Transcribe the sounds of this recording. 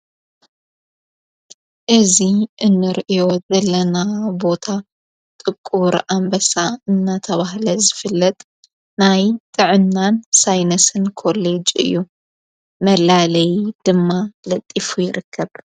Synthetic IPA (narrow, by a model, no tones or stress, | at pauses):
ʔɨziʔɨnːɨɾʔɨjo̞zɐlːɐnabo̞t̪ʰa | t̪ʼɨkʼːuɾʔambɐsaɨnːat̪ʰɐβahlɐzɨfɨlːɐt̪ʼ | najt̪ʼɨʕɨnːansajnɐsɨnkʰo̞led͡ʒɨ̰jːu | mɐlalɐjd̪̥ɨmːalɐt̪ʼːifujɪɾɨkʰːɐβ